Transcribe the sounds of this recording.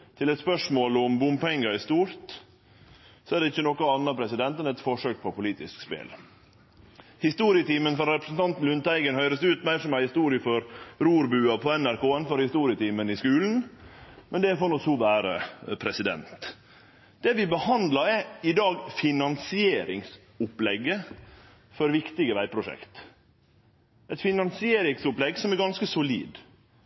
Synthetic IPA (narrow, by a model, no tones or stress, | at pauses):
t̪ʰɪlɛt̪spœʂmoːlʊmbʊmpɛŋːɑɪst̪uːɾt̪ | sɔæd̪ɛɪçːənɔkːɑɑnːɑpʰɾɛsɪd̪ɛnt̪ɛnɛt̪fɔʂøːk̚pʰɔpʊliːt̪ɪskspḛːl | hɪst̪uːɾɪət̪iːmənfɔɾɾɛpɾəsn̩t̪ʰɑnt̪n̩lʉnt̪æɪɡənhœʏɾəsʉːt̪mæɪʂɔmæɪhɪst̪uːɾɪəfɔɾɾuːɾbʉːɑpʰɔɛnæɾkoːɛnfɔɾhɪst̪uːɾɪət̪iːmənɪskʉːln̩mɛnd̪ɛæɾfoːnɔshuːʋæːɾə̰pʰɾɛsɪd̪ɛ̰nt̪ | d̪̥ɛʋɪbəhɑnd̪lɑɛɪd̪ɑːɡfɪnɑnsɪeːɾɪŋs | ʊplɛɡːə | fɔɾʋɪkt̪ɪɡəʋæɪpʰɾʊʂɛ̰kt̪ | ɛt̪fɪnɑnsɪeːɾɪŋsʊplɛɡsɔmɛɾɡɑnskəsʊlḭːd̪